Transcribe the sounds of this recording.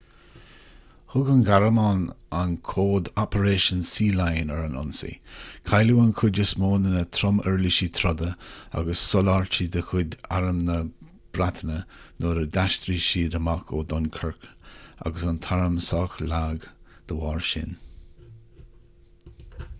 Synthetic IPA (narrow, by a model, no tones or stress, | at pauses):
hʊɡənɡaɾəmɑnankʰoːd̪ɔpʰəɾeːʃənsiːlajnɛɹənɔ̰nsḭkʰajluːankʰʊdɪsmoːnənət̪ʰɾɔmɛɹliʃit̪ʰɾɔd̪əa̰ɡəsːɔlaɹt͡ʃid̪əkʰʊd̪a̰ɾəmnə | b̥ɾat̪ʰənənoːɾəd̪aʃt̪ɾiʃiːd̪əmakʰod̪ɔnkʰəɹka̰ɡəsant̪ʰaɹəmsɑːxlaːɡd̪̥əwɑːɹʃɪ̰n